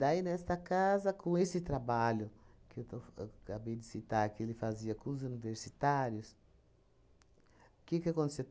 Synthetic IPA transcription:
d̪ainɛst̪ɐkazɐkõesɪt̪ɾabaʎʊkɪewt̪kabejd̪ɪsit̪aɾkɪelɪfaziɐkõʊzuniveɾsit̪aɾjʊs | kɪkakõt̪ese

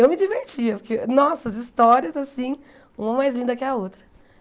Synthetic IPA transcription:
ewmɪd͡ʒiveɾt͡ʃiɐpʊɾkenɔsɐɐzist̪ɔɾiɐzasĩ | ũmɐmajzlĩnd̪ɐkɪɐot̪ɾɐ

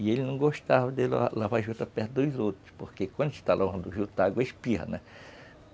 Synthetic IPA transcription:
ielinɐ̃w̃ɡoʃt̪avɐd̪ela̰lavaʒut̪apeht̪̚d̪ojzot̪ɾʊ̥spoɾkekwɐ̃nd̪ʃi̥t̪alʔaɐ̃nd̪uʒut̪aɡɐʃpiɦɐ̰nɛ

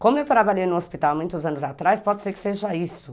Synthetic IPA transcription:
kõmʊewt̪ɾabaʎejnʊ̃ospit̪awmũj̃t̪ʊzɐ̃nʊzat̪ɾaspɔd̪ɪseɾkɪ̥seʒɐisʊ

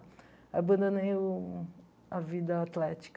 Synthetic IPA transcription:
abɐ̃d̪õnẽʊ | avid̪ɐat̪lɛt͡ʃi̥k

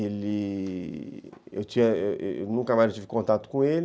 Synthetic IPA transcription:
eli | ewt̪iɛ̰nũŋkamajot̪ivikõnt̪at̪u̥kũel

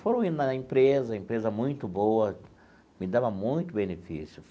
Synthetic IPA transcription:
foɾɐ̃w̃ĩnɐẽmpɾezɐẽmpɾezɐmũj̃t̪ʊbowɐ | mɪd̪avɐmũj̃t̪ʊbenefḭsjʊ

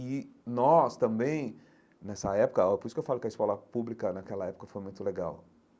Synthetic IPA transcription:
inɔst̪ɐ̃mbẽj̃ | nɛsɐɛpʊ̥kɐɔpoɾisʊkewfalkɪɐiskɔlɐpublikɐnakɛlɐɛpʊ̥kɐfojmũj̃t̪ʊleɡa̰w

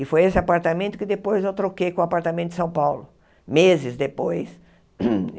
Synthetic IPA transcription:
ɪfojesɪapaɾt̪amẽnt̪ʊkɪd̪epojzewt̪ɾokejkõapaɾt̪amẽt̪ʊd̪ɪsɐ̃w̃pawlʊ | mezɪzd̪epojs

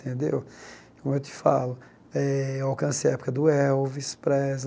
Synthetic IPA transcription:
t̪ẽd̪ḛw | kõmʊewt̪ɪ̥fa̰lʊ | ɛawkɐ̃sejɐɛpu̥kɐd̪ʊɛwvispɾɛz

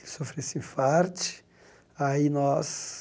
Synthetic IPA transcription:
sofɾesĩfaɾt͡ʃɪ̥ | ainɔs

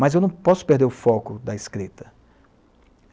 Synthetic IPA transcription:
mɐzewnɐ̃w̃pɔsʊ̥peɾd̪eɾʊfɔkʊd̪ɐiskɾit̪ɐ

